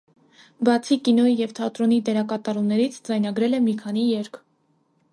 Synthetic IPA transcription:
bɑt͡sʰikinɔjijɛvt̪ʰɑt̪ɾɔnid̪ɛɾɑkɑt̪ɑɾumnɛɾit͡sʰd͡zɑjnɑɡɾɛlɛmikʰɑnijɛɾkʰ

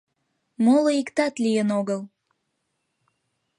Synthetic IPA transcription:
moloikt̪ɑt̪lijənoɣəl

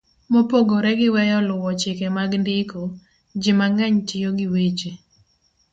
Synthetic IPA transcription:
mopoɡoɾɛɡɪwɛjɔlʊwɔt͡ʃɪkɛmaɡndɪko | d͡ʒɪmaŋɛɲtɪjoɡɪwet͡ʃe

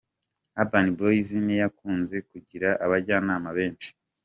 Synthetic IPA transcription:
abaniboizinejakʰuːnze̞kuɟiɾaʔaβaɾɟaːnaːmaβe̞ːnt͡ʃi̥

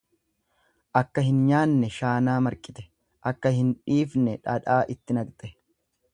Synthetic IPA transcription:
ʔɐkːɐhɪnɲaːnːɛʃaːnaːmɐɾkʼɪt̪ɛ̥ | ʔɐkːɐhɪnᶑiːfnɛᶑɐᶑaːʔɪt̪ːɪnɐɡt̪ʼɛ

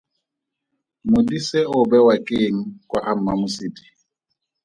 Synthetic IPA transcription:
mʊdiseʊbɛwakʼeːŋ̩kʼwaʔam̩mamʊsiːtʼi̥

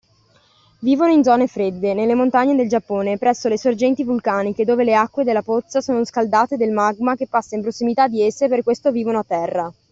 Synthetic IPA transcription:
viːvonoind̪zɔːnefɾed̪ːenelːemont̪aɲːed̪eld͡ʒapːoːnepɾɛsːolesord͡ʒɛnt̪ivulkaːniked̪oːveleakːwed̪elːapot̪sːasoːnoskald̪aːt̪ed̪elmaɡmakepːasːaimpɾosːimit̪ad̪ːiesːeperkwest̪oviːvonoat̪ːɛrːa

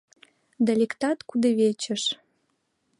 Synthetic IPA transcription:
d̪alʲekt̪ɑt̪kud̪eβet͡ɕə̆ʃ

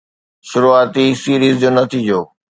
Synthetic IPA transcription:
ʃʊɾuaːt̪isiːɾiːzd͡ʑoːnɐt̪ʰiːd͡ʑoː

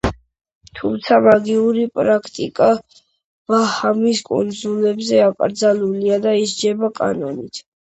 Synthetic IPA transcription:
t̪ʰumt̪sʰamaɡiuɾipʼɾakʰt̪ʼḭkʼa | vahamiskʼṵnd̪zulɛbzɛakʼɾd̪zaluliad̪aisd͡ʒɛbakʼa̰nɔnit̪ʰ

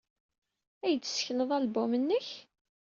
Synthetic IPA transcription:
æjəd̪̥sçənəðˤælbʊmənːəç

